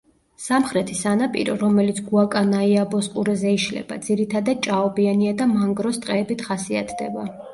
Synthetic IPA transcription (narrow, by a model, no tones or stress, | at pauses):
samχɾɛt̪ʰisanapʼḭɾɔ̰ɾɔmɛlit̪sʰɡuakʼanaiabɔsqʼuɾɛzɛiʃlɛ̰ba̰d̪ziɾit̪ʰad̪ad̪̥̚t͡ʃʼaɔbianiad̪amaŋɡɾɔst̪ʼqʼɛːbit̪ʰχasiat̪ʰd̪ɛba